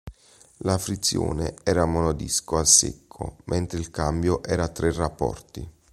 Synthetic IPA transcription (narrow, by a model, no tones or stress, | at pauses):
lafɾit̪sːjo̰ːneɛːɾamonod̪ḭskoalsḛkʰːo̰mʔent̪ɾeilkambjoʔɛːɾat̪ɾerapːɔ̰rt̪i